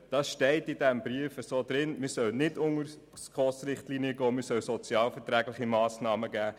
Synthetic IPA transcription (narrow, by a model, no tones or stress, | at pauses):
d̥ɑsʃtɛɪtɪdɛmbɾiəfəsoːd̪ɾɪnmɪsœlnɪdʊŋəɾ | skʁɔːsɾɪχtliːniəɡɔːmɪɾsœlsɔt͡sjɑːlfətɾæːɡlɪχimɑːsnɑːməɡæː